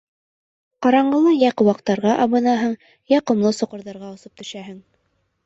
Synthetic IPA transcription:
qɑɾɑɴɢɤ̆lˠɤjɑqŏwɑq̚t̪ɑɾʁɑʔɑβɤ̆nɑɦɤɴ | jɑqŏmlˠɤsŏqɤ̆ɾðɑɾʁɑŏsɤp̚t̪ɵ̆ʃæɦɘŋ

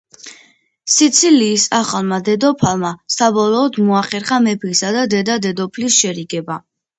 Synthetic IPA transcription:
sit̪sʰiliːsaχalˠmad̪ɛd̪ɔpʰalˠmasabɔlˠɔːd̪mɔaχɛɾχamɛpʰisad̪ad̪ɛd̪ad̪ɛd̪ɔpʰlisʃɛɾiɡɛba

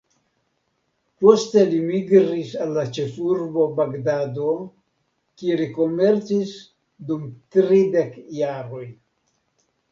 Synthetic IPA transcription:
post̪elimiɡɾisalːat͡ʃefuɾbo̞baɡdado | kieliko̞me̞ɾt͡sis | d̪umt̪ɾid̪ekjaɾo̞j

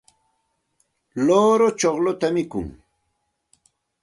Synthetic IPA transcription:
loːɾot͡ʃoχlʊt̪amɪkʊ̰ŋ

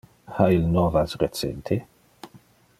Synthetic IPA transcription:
hailnɔvasret͡sɛ̰nt̪ʰe

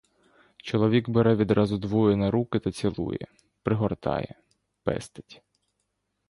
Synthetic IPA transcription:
t͡ʃɔlˠɔʋʲiɡbeɾɛʋʲid̪ɾʔɑzʊd̪ʋɔjʊnɐɾukɪt̪ɐt͡sʲilˠṵjɛ̰ | pɾɪɦɔrt̪ɑ̰jɛ̰ | pɛ̰st̪ɐ̥tʲ

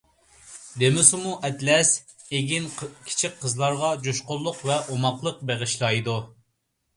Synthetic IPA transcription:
d̪emɪsumuʔɛt̪lɛs | eɡʲinkʲʰi̥t͡ʃʰik̚ʲqʰəzlˠɑɾʁɑd͡ʒoʃqʊɾlˠʊqvɛʔomɑqlˠəq̚beʁɨʃlˠɑjd̪u

